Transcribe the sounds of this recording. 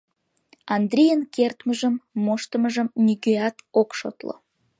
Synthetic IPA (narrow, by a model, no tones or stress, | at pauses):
ɑnd̪rʲijənkert̪məʒəmːoʃt̪əməʒəmnyɡøɑt̪okʃo̰t̪lo̰